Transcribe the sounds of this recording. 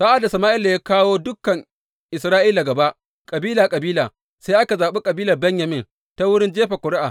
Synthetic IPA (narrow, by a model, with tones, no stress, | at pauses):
sa˦ʔa˨da˨sɐ˨maː˦ʔɪ˦lːa˨jaː˦kaː˦woː˦dʊ˦kɐ˨ŋ | ʔɪ˨sɾaː˦ʔiː˦laː˨ɡɐ˨ba˦ʔ | kʼɐ˨biː˦laː˨kʼɐ˨biː˦laː˨ | sa˦jʔa˦ka˨zaː˨ɓe˦kʼɐ˨biː˦lɐ˨rbɛ˦ɲjɐ˨mɪ˦n | ta˦wʊ˦ɽɪ˦nd͡ʒeː˦ɸa˨kʷʊ˨ɽɪ˦ʔaː˨